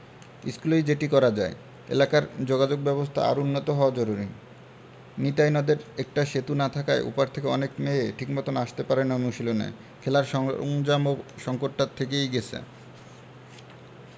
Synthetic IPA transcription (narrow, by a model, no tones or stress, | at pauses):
iskulejd͡ʑeʈikɔɾad͡ʑae | ḛlakaɾd͡ʑoɡad͡ʑoɡ̚bɛbost̪ʰa̰a̰ɾunːot̪oɦɔoad͡ʑoɾuɾi | nit̪ajnɔd̪eɾek̚ʈaʃet̪unat̪ʰakaeʔṵpaɾt̪ʰekeɔnekmeʈʰikmɔt̪onaʃt̪epaɾenamuʃilonḛ | kʰelaɾŋd͡ʑamoʃɔŋkoʈʈat̪ʰːek̬ejɡet͡ɕʰḛ